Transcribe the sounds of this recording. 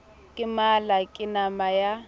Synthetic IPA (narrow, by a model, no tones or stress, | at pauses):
kʼɪmalakʼɪnamaja